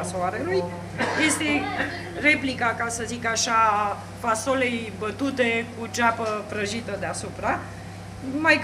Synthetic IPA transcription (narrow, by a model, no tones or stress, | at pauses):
asoaɾeluj | je̞st̪e̞ | re̞plikakasəzikaʃaː | faso̞le̞jbət̪ut̪e̞kut͡ʃapəpɾəʒit̪əd̪easupɾa | maj